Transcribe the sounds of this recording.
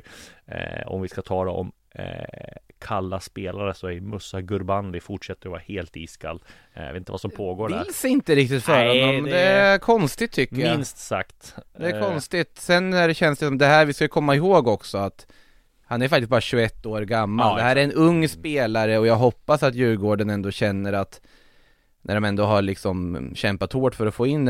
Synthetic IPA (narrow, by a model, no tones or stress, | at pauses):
ɔ̰mvɪskat̪ʰɑːlaɔ̰m | kʰalːaspeːlaɾəsɔæɾmɵsːaɡɵɾbanlɪfʊʈʂɛt̪ːəɾɔvɑːɾaheːlt̪ḭːskʰa̰l̰ː | vḛt̪nəvasɔmpʰoːɡoːɖæɪɾlsɪnt̪əɾɪk̚t̪ɪt̪fœːɾhɔnːɔmːɛd̪ɛkʰɔnst̪ɪt̪ʰːʏkːəjɪnst̪sa̰kt̪d̪ɛːkʰɔnst̪ɪt̪sɛnːæɖɛɕɛnsd̪ɛsɔmd̪ɛɦæːɾvɪskajəkʰɔmːaɪɦoːɡɔksɔat̪ | hanæɾjfakt̪ɪst̪̚bɑːɾaɕɵɛt̪ːoːɾɡamːald̪ɛɦæːɾæɾɛnɵŋːspeːlaɾəɔjɑːɡɦɔpːasat̪jʉ̟ːɡoːɖənɛnd̪oːɕɛnːəɾat̪ | nʔæɖɔmɛnd̪oːɦaɾɭɪksɔmɕɛmpat̪hoːʈfœɾɔfoːɪnː